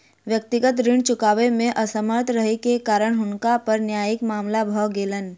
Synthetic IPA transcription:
ʋjək̚t̪ɪɡət̪ɾɪɳt͡ʃʊkaːʋemẽʔəsəməɾt̪ɾəɦekekaːɾəɽ̃ɦʊɳkapɐɾnjaːjɪkmaːmlabʱɔwɡeːlən

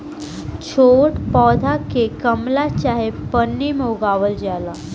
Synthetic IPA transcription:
t͡ɕʰoʈpɔd̪ʱakekəmlat͡ɕaɦepənːimoɡaʋəld͡ʑala

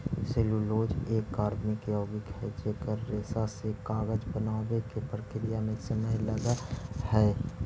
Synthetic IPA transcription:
seːluloːd͡ʒeːkːaːɾmɪkɔːɡɪkɦɛd͡ʒeːkəɾːeːsasekaːɡəd͡ʒbənaːwekepɾəkɾɪjamẽsəməɦləɡahɛː

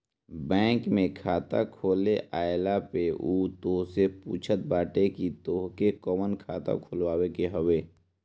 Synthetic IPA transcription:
bɛ̃ːŋkmẽkʰaːt̪a̰kʰoːleʔaːjlapeʔuːt̪oːsepṵːt͡ʃʰət̪̚baːʈekit̪oːɦkekəmənkʰaːt̪a̰kʰʊlwaːwekeɦəweː

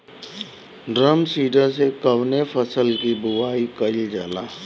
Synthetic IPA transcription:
ɖɾəmsiːʈəɾsekəʋnefʰəsəlkibʊʋaːikɐɪld͡ʒaːlaː

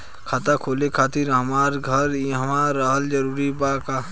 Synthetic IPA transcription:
kʰaːt̪akʰoːlekʰaːt̪ɪɾɦəmaːɾɡʱəɾɦəmaːəɦəld͡ʒəɾuːɾibaːka

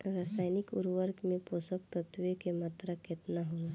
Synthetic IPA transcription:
ɾasaːɪnɪkʊ̰ɾʋəɾkmẽpoːsək̚t̪ət̪ʋjekemaːt̪ɾakɪt̪naɦu

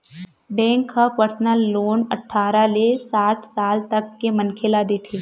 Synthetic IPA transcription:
bɛ̃ːŋkːapəɾsnəlːoːnɐ̰ʈʰːaːɾalesaːʈʰsaːlt̪ɐkːemɐnkʰelad̪eːt̪ʰeː

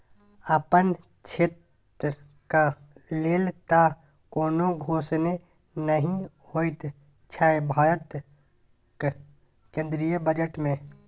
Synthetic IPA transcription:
əpən | t͡ʃʰet̪ | ka | leːlt̪a | koːnoɡʱoːsne | nəɦĩ | hoːit̪ | t͡ʃʰaːebʱaːɾət̪ | k | kẽːnd̪ɾijəbəd͡ʒəʈmẽ

